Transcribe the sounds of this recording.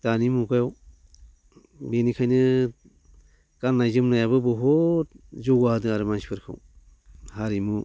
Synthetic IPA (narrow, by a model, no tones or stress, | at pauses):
tanimukajɔw | benikʰajnɯ | kanːajzɯmnajaβɯbɔɦɔ | zɔɡahadɯaɾɯmanspʰɯɾkʰɯ̰w | haɾimu